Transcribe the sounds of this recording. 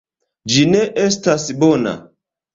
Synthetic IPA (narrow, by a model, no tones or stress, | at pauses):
d͡ʒineʔestasbona̰